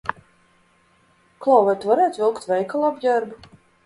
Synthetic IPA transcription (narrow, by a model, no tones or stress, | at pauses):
klˠawvajt̪vaɾɛːt̪vilˠkt̪vɛjkalˠabjaɾbu